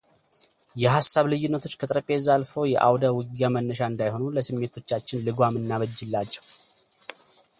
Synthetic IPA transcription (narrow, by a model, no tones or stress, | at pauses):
jɛɦasːaβlɨjːɪnːət̪ʰo̞t͡ʃːkʰət̪ʼɾəpʼːe̞zalfo̞jɛʔa̰wd̪əwɨɡjamənːəʃ̬aɨnd̪ajho̞nuləsɨmːe̞t̪ʰo̞t͡ʃːat͡ʃːɪnlɨɡʷamɨnːaβəd͡ʒːɨlːat͡ʃːɛ̥w